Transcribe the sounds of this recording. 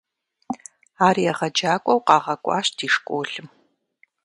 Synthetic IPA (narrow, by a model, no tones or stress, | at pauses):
aːrijɛʁɐd͡ʒaːkʷʼɔwqɑːʁɐkʷʼɑ̰ːɕdiːʂkʷʼoːɬɨm